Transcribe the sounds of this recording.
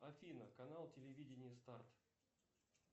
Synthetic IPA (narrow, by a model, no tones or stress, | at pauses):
ɐfʲinəkɐnalˠtʲɪlʲɪvʲidʲɪnʲɪjəst̪art̪